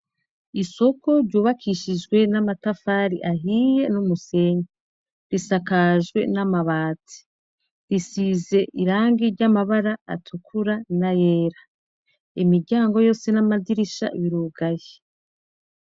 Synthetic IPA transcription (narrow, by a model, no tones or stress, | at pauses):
iso̞ko̞ɾɟuːβakʰiʃid͡ʒɡwe̞namatafaːɾiʔaɦije̞numuse̞ɲa | ɾisakaʒɡwe̞̰namaβaːti̥ | ɾisize̞ʔiɾaːŋɡiɾɟamaβaɾa̰ːtʰukʰuɾanajeːɾa | imiɾɟaːŋɡo̞jo̞ːse̞namadiɾiʃa̰βiɾuːɡaje